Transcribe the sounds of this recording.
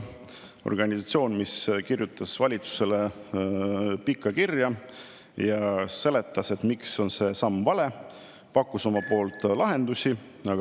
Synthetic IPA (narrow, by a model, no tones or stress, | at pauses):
o̰rɡ̥ɑnʲisɑt̪sʲio̞ːnmiskirjut̪ːˑɑsvɑlʲit̪su̥se̞le̞ | pikˑːɑkirjɑ | jɑse̞le̞t̪ːˑɑse̞t̪mikso̞nse̞sɑmːvɑle̞ | pɑkːˑuso̞mɑpo̞ːlt̪ːˑlɑɦe̞nd̪̥usʲi | ɑɡ